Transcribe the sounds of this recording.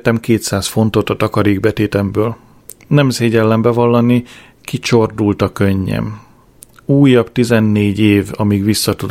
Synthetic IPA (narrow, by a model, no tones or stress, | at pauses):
t̪ɛmkeːt̪saːsfo̞nt̪o̞t̪ɒt̪ɒkɒɾiːɡbɛt̪eːt̪ɛmbøːl | nɛmzeːɟɛlːɛmbɛvɒlːɒni | kit͡ʃo̞rd̪ult̪ɒkøɲːɛ̰m | uːjɒbt̪izɛnːeːɟeːvɒmiɡʋisːɒt̪ud̪